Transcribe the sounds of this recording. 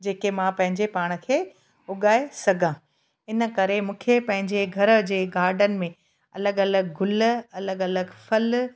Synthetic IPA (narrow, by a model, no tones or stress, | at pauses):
d͡ʑeːkemãːpɐ̃ɦɪ̃ɲd͡ʑepaːɽ̃ə̆kʰeː | ʊɠaːesɐɡʱãː | ɪnə̆kɐɾemũːkʰepɐ̃ɦɪ̃ɲd͡ʑeɡʱɐɾə̆d͡ʑeːɡaːɾɖənɪ̆mẽ | ɐləɡɐləɡɡʱʊl̆ɐləɡɐləɡfɐl